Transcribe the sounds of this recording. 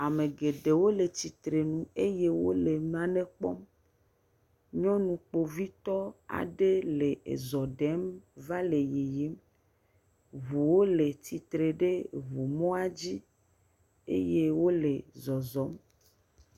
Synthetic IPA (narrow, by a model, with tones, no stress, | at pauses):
a˨me˨ɡe˨ɖe˨wo˦le˨t̪i˨t̪ɾe˨nũ˨e˦je˦wo˦le˨m˦ã˨ne˦k͡pɔ̰˦m | ɲɔ̃˦nũ˨k͡po˨vi˦t̪ɔ˦a̰˨ɖe˦le˨ḛ˨zɔ˨ɖɛ˨˦mva˦le˨je˨je˦m | βu˨wo˦le˨t̪i˨t̪ɾe˨ɖe˦βu˨mɔ̃˦a˦d͡ʑi˦ | ḛ˦je˦wo˦le˨zɔ˨zɔ˨˦m